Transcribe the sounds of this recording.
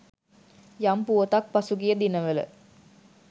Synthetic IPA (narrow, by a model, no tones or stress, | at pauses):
jampuot̪ak̚pasuɡijəd̪inəʋelə̰